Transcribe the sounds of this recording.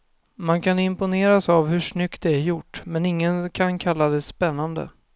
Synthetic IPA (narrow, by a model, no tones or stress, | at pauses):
mankʰanɪmpʊneːɾasavɦɵʂnʏkt̪̚d̪ɛæɾjʊʈːmɛnɪŋːənkʰankʰalːad̪ɛspɛnːand̪ə̰